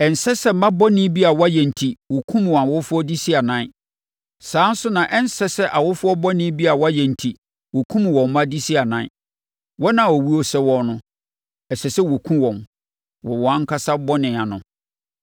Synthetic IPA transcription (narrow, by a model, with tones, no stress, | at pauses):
ɛ˨n̩˨sɛ˦sɛ˦mã˦bɔ˦nɪ̃˦bi˦a˨wa˦jɛ̃˨n̩˨tʰi˨wɔ˨kʰũ˦m˨a˨wʊ˦fʊ˦ɔ˦di˦si˦a˨nã˦ | sãː˨˦n̩˦sʊ˦nã˨ʔɛ˦n̩˦sɛ˦sɛ˦ʔa˨wʊ˦fʊ˦ɔ˦bɔ˦nɪ̃˦bi˦a˨wa˦jɛ̃˨n̩˨tʰi˨ | wɔ˨kʰũ˦m˨wɔ̃˨mː˨ã˦di˦si˦a˨nã˦ | wɔ˦nã˨wɔ˨wi˦o˦sɛ˦wɔ˦nʊ̃˦ | ɛ˨sɛ˨sɛ˦wɔ˨kʰũ˦wɔ̃˨m | wɔ˨wɔ˨a˦ŋ̩˦kʰa˦sa˦bɔ˦nɪ̃˨a˨nʊ̰̃˨